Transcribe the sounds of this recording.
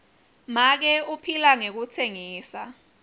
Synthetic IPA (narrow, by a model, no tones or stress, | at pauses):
mak̬ɛupʰilaŋek̬utʰeŋiːsa